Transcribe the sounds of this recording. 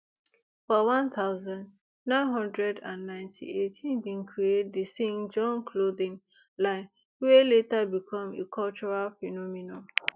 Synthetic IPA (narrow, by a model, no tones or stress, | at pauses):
fɔwãnt̪aʊzãnd | nãɪ̃nɦɔ̃ndɹɛdãnːãɪ̃ntʰḭetʰĩnbĩnkʰɹiet̚disĩŋd͡ʒɔ̃nkʰloðĩŋ | lãɪ̃n | weletabikʰɔ̃mḛkʰɔlt͡ʃɔɹalfɛnɔminɔ̃